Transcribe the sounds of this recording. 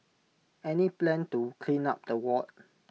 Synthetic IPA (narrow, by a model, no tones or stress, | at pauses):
ɛniplɛ̃ntukʰlĩnap̚dəwɔt̚